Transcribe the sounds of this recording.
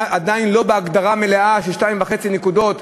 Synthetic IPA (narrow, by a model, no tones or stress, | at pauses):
ad̪ainlo̞beaɡd̪aʁame̞leaʃeʃtaimvaχe̞t͡sinekud̪o̞t̪